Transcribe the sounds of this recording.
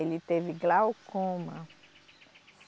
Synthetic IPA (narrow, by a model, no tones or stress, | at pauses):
elit̪eviɡlawkõmɐ̃